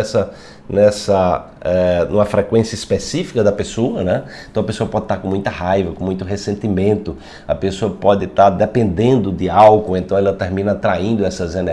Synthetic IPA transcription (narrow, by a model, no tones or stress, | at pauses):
ɛsɐ | nɛsɐ | ɛnũmɐfɾɛkwẽsjɐispesifi̥kɐd̪ɐpesoɐnɛẽt̪ɐ̃w̃ɐpesoɐpɔd̪ɪt̪aɾkõmũj̃t̪ɐhɦajvɐkõmũj̃t̪ʊɦesẽnt̪imẽnt̪ʊ | ɐpesoɐpɔd̪ɪt̪aɾd̪ɛpẽnd̪ẽnd̪ʊd̪ɪawkʊẽnt̪ɐ̃w̃ɛlɐt̪eɾmĩnɐat̪ɾaĩnd̪ʊɛsɐzenɛ